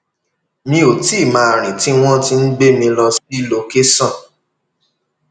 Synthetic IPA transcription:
mĩ˧o˨ti˦˨mãː˨˧˦ɾ̃ĩ˨ti˦w̃ɔ̃˦ti˦n̩˦ɡ͡be˦mĩ˧lɔ˧spi˦lo˧ke˦sɔ̃˦˨

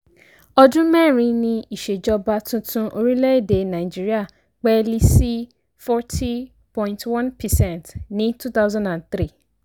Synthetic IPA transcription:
ɔ˦dʊ̃˦mɛ̃˦˨ɾĩ˦nɪ̃˦i˨ʃe˨d͡ʒɔ˦ba˦tʊ̃˦tʰʊ̃˦ʔo˦ɾi˦le˦de˨nã˨ɪ˨d͡ʒi˦ɾi˦a˨ | k͡pɛ˦li˦si˦ | fɔ˦tʰi˦ | pɔ̃˦ɪ̃˦ntʰwã˦npʰɛ˨sɛ̃˦˨ntnĩ˦tʰu˦t̪a˦wzã˦ndã˨nθɾi˦˨

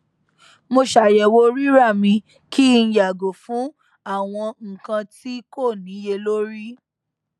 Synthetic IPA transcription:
mo˧ʃa˨jɛ˨wo˧˦ɾi˦ɾa˦˨mĩ˧ | kʰi˦n̩˦ja˨ɡo˨fũ˨˦ | a˦˨w̃ɔ̃˧ŋ̩˨kã˧ti˦ko˦˨nĩ˨˦je˧lo˦ɾi˦

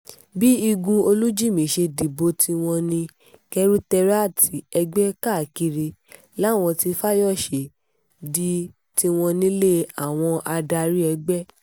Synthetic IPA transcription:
bi˦i˧ɡũ˧o˧lu˦d͡ʒi˦˨mĩ˨ʃe˧di˨bo˧tʰi˧w̃ɔ̃˧nĩ˧ | kɛ˧ɾu˦tɛ˧ɾa˦˨ti˨˦ɛ˧ɡ͡bɛ˦ka˦˨ki˧ɾi˧ | la˨˦˨w̃ɔ̃˧ti˧fa˦jɔ˦˨ʃe˨ | di˦ | ti˧w̃ɔ̃˧nĩ˦le˦a˨w̃ɔ̃˧ʔa˧da˧ɾi˦ɛ˧ɡ͡bɛ˦

